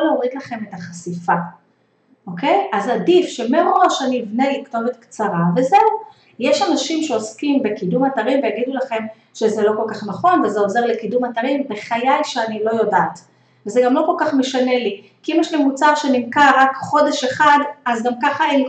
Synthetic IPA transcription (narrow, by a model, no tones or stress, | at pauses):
leoʁidlaχe̞me̞taχasifa | ʔo̞ke̞jazadifʃe̞meʁo̞ʃaniːvne̞likto̞vet̪kt͡saʁave̞ze̞u | jeʃanaʃimʃeo̞skimbe̞kidumataʁimvejaɡidulaχe̞m | ʃezelo̞ko̞lkaχnaχo̞nvezeo̞zeʁle̞kidumataʁimbe̞χajajʃeanilo̞jo̞daːt | vezeɡamlo̞ko̞lkaχme̞ʃane̞likiimjɛʃlimut͡saʁʃenimkaʁakχo̞deʃe̞χadazɡamkaχaen